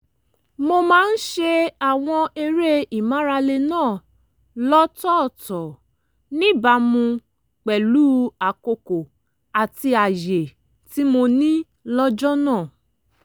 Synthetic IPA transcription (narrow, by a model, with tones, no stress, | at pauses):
mo˧mãː˦n̩˦ʃe˧a˦˨w̃ɔ̃˧e˧ɾe˦i˨mã˦ɾa˧le˧nãː˦˨ | lɔ˦tɔ˦˨tɔ˨ | nĩ˦ba˧˦mũ˧ | k͡pɛ˨luː˦a˨ko˧ko˨ | a˨ti˧a˨je˨ | ti˦mo˧nĩ˦ | lɔ˦d͡ʒɔ˦nãː˦˨